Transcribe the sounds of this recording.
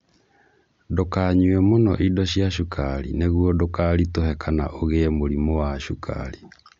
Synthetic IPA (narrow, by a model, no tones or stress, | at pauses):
dokaɲwɛmonɔ̰ʔidɔɕiaɕukʰaɾḭneɣuɔdokaɾitoɦɛkʰana̰ʔoɣemoɾimowaʃukʰa̰ɾi